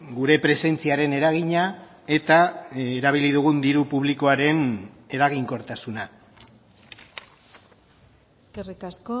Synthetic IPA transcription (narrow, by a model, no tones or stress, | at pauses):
ɡuɾe̞pɾe̞se̞nt͡siaɾe̞ne̞ɾaɣ̞iɲa | e̞t̪aeɾaβ̞iliðuɣ̞und̪iɾupuβ̞liko̞aɾe̞n | e̞ɾaɣ̞iŋko̞ɾt̪asuna | eskerikasko